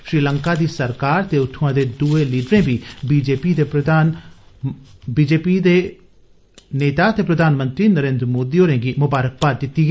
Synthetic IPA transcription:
ʃɾiːləŋkaːd̪iːsəɾkaːɾt̪eːʊt̪ʰːuãːd̪eːd̪uːeːliːɖɾẽːbiːbiːd͡ʒeːpiːd̪eːpɾəaːn | biːd͡ʒeːpiːd̪eː | neːt̪aːt̪eːpɾəd̪ʱaːnmənt̪ɾiːnəɾẽːnd̪ɾəmoːd̪iːoːɾɛ̃ːɡiːmʊbaːɾək̚paːɾd̪ɪt̪ːiːɡɛː

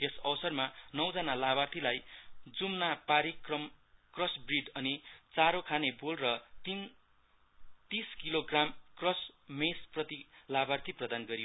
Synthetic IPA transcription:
esʌbʌsʌrmanʌwd͡zʌnalabart̪ʰilajd͡zumnapaɾikrʌmkrʌsbriɖʌnit͡saɾokʰanebolrʌt̪in | t̪iskiloɡramkrʌsmesprʌt̪ilabart̪ʰiprʌd̪anɡʌɾio

